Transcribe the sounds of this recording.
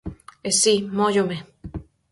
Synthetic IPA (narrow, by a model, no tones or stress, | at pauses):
esimojome